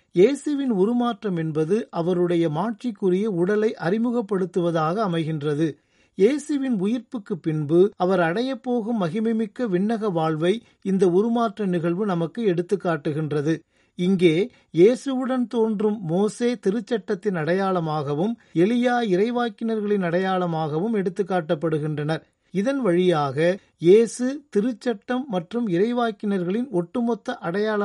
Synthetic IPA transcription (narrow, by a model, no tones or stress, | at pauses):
jeːsɯʋɪnʊɾɯmaːʈrɐmɛnbɐðɯʔɐʋɐɾɯɽɐjɐmaːʈ̚t͡ʃikːɯrɪjɐʊɽɐlɐɪʔɐrɪmɯɣɐpːɐɽɯt̪ːɯʋɐðaːɣɐːmɐɪɣɪndrɐðɯ | jeːsɯʋɪnʊjɪɾpɯkːɯpːɪnbɯɐʋɐɾɐɽɐjɐpːoːɣɯmːɐɣɪmɐɪmɪkːɐʋɪɳːɐɣɐʋaːɭʋɐɪ | ɪnd̪ɐʊɾɯmaːʈrɐnɪɣɐɭʋɯnɐmɐkːɯɛɽɯt̪ːɯkːaːʈːɯɣɪndrɐðɯ | ɪŋɡeː | jeːsɯʋɯɽɐnt̪oːndrɯmːoːseːt̪ɪɾɯt͡ʃːɐʈːɐt̪ːɪnɐɽɐjaːɭɐmaːɣɐʋɯmɛlɪjaːɪɾɐɪʋaːkɪnɐɾɣɐɭɪnɐɽɐjaːɭɐmaːɣɐʋɯmɛɽɯt̪ːɯkːaːʈːɐpːɐɽɯɣɪndrɐnɐɾ | ɪðɐnʋɐɻɪjaːɣɐ | jeːsɯt̪ɪɾɯt͡ʃːɐʈːɐmːɐʈrɯmɪɾɐɪʋaːkɪnɐɾɣɐɭɪnɔʈːɯmɔt̪ːɐʔɐɽɐjaːlɐ